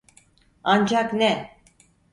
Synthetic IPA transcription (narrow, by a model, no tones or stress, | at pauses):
and͡ʒaknɛ